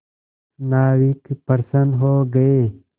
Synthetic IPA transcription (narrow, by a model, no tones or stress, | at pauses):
naːwikpɐɾsənɦoːɡɐeː